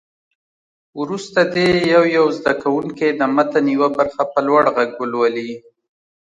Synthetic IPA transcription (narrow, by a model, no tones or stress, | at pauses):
wɾust̪ad̪ejawjawzd̪akawuŋked̪əmat̪aniwabaɾxapəlwaɽɣaɡwəlwali